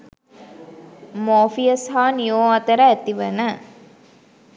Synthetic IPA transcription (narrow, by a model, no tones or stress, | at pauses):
moːfijəsɦaːnijoːɐt̪əɾəæt̪iʋənə